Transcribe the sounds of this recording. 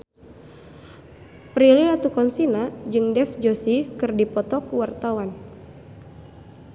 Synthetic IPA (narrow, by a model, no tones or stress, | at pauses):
pɾiliat̪ukɔnsinad͡ʒɨŋdɛfd͡ʒosikɨrdipɔt̪ɔkuwart̪awan